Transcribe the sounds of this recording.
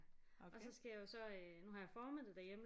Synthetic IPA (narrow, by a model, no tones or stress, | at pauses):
ʔɒ̽sɒ̽sɡ̥æjajo̝sɒ̽ønuɦɑ̈jɑ̈fɒːmeð̰ð̩ˠd̥æɐjemə